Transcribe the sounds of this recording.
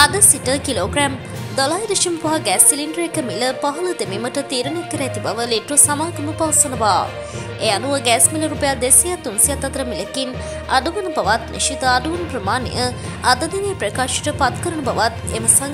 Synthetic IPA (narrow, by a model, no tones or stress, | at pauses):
ɐd̪əsiʈəkiloːɡɾɛm | d̪ɐlaːjd̪eʃimpɐɦaɡɛːsiliɳɖəɾekəmiləpaɦɐləd̪emiməʈət̪iːɾənekəɾɛt̪ibaʋəleʈʋəsamaːɡɐməpɐʋəsɐnəʋaː | eːanuʋəɡæːsmiləɾupejad̪esijat̪ːunsijat̪ːɐt̪əɾəmiləkin | a̰ɖuʋənəbɐʋat̪nḭʃit̪əaɖuʋənəpɾəmaːnḛjə | ɐd̪ɐd̪iʋeːpɾəkaːʃi̥ʈəpat̪kəɾənəbɐʋat̪ḛməsaŋ